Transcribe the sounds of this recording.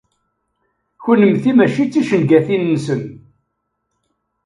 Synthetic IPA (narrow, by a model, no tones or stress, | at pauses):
çənəmθimæʃit͡sːiʃənɡæθinːsən